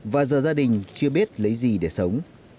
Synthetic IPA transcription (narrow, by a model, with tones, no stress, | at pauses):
vaː˨˩zəː˨˩zaː˧ɗï˨˩ŋ̟t͡ɕɨ˧əɓi˦˥ət̚lə˨˦jzi˨˩ɗe˧˩sə˨˦wŋ͡m